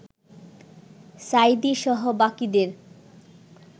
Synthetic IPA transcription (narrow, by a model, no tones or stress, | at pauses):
sajd̪iʃɔɦobakid̪eɾ